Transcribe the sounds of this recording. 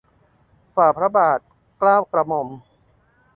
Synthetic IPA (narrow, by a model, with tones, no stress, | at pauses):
faː˨˩pʰɾa˦˥baː˨˩t̪̚ | klaː˥˩wkɾa˧mo˧m